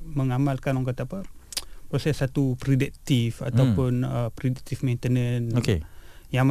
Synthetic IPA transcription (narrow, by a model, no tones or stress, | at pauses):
məŋamalkanɔŋk̬at̪aːpəpɾosɛsːat̪upɾidɛt̪ifa̰t̪aupʊnəpɾidit̪ifmejnt̪ənənokejaŋm